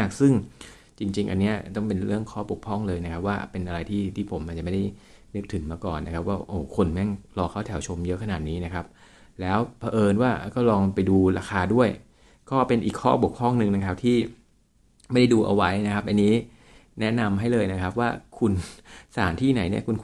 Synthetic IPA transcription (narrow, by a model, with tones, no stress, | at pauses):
a˥˩k̚sɯ˥˩ŋ | t͡ɕi˧ŋt͡ɕi˧ŋʔa˧nːi˦˥ɐt̪ɔ˥˩ŋpe˧nɾɯ˥˩əŋkʰɔː˥˩bu˨˩k̚pʰɔ˥˩ŋlɤː˧jna˦˥kʰa˦˥p̚waː˥˩pe˧nʔa˧ɾa˧jt̪ʰiː˥˩t̪ʰiː˥˩pʰo˩˦mʔa˨˩t͡ɕa˨˩ma˥˩da˥˩j | nɯ˦˥k̚t̪ʰɯ˩˦nmaː˧kɔ̰ː˨˩nːa˦˥kʰa˦˥p̚waː˥˩ʔoː˧˩kʰo˧nmɛ˥˩ŋlɔː˧kʰa˥˩t̪ʰɛ˩˦wt͡ɕʰo˧mjɤ˦˥kʰa˧naː˨˩t̪̚niː˦˥na˦˥kʰa˦˥p̚ | lɛː˦˥wpʰa˧ʔɤː˧nwaː˥˩kɔː˥˩lɔː˧ŋpa˧jduː˧ɾaː˧xʰaː˧du˥˩əj | kɔː˥˩pe˧nʔiː˨˩kʰɔː˥˩bu˨˩əkpʰɔ˥˩ŋnɯ˧ŋna˦˥kʰa˦˥p̚t̪ʰiː˥˩ | ma˥˩jda˥˩jduː˧ʔa̰˧wa˦˥jna˦˥kʰa˦˥p̚ʔa˧nːiː˦˥ | nɛ˦˥na˧mɦa˥˩jlɤː˧jna˦˥kʰa˦˥p̚waː˥˩kʰu˧nsaː˩˦nt̪ʰiː˥˩na˨˩˦jni˥˩ɐkʰu˧n